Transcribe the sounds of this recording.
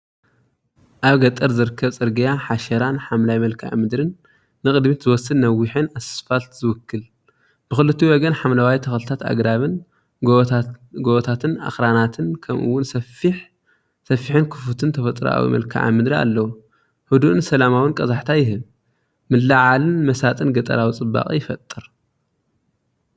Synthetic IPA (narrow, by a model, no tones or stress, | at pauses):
ʔaβɡɐt̪ʼɐɾzɨɾɨkʰːɐβt͡sʼɨɾɡijaħaʃɐɾanħamlajmɐlkʰaʕa̰mɨd̪ɾɨnː | ɨkʼɨd̪mit̪zɨwɔsːɨdnɐwːiħɨnasɐ̥sfalt̪zɨwʊkʰːɨl | b̥ɨxɨlɨt̪ʰːiwɔɡɐnħamlawajt̪ʰɐxɐlɨt̪ʰat̪a̰ɡɾaβɨn | ɡ | ɡoβt̪ʰat̪ʰɨna̰xɾanat̪ʰɨnkʰɐmʔɨ̰wːʊnsɐfiħ | sɐfːiħɨnkʰɨ̥fut̪ʰɨnt̪ʰɐfɐt̪ʼɾa̰wḭmɐ̰lkʰa̰ʕa̰mɨd̪ɾia̰lːɐwu | hɨd̪uʔɨnsɐlamawɨnkʼɐzaħt̪ʰajɪɦɨb | mɨlːaʕalɨnmɐsat̪ʼɨnɡɐt̪ʼɐ̰ɾawit͡sʼɨbːa̰kʼḭjɪfɐt̪ʼːɨɾ